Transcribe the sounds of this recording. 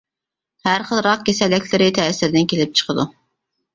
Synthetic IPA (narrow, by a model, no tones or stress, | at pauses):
hæɾχəlˠɾɑq̚kʲesɛlːɛkʲlɪɾɪt̪ʰɛːsɪɾd̪ɪnkʲʰelɪp̚t͡ʃʰə̥qʰəd̪u